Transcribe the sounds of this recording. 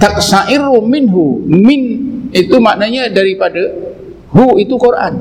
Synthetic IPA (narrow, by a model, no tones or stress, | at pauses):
t̪ak̚saʔɪrumɪnɦumɪnit̪umaʔnaɲadaɾipada | ɦuit̪ukoɾʔa̰n